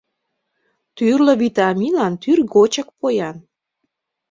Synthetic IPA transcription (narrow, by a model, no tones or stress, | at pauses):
t̪yrlə̆vit̪ɑmilɑnt̪yrɣot͡ɕə̆k̚pojɑn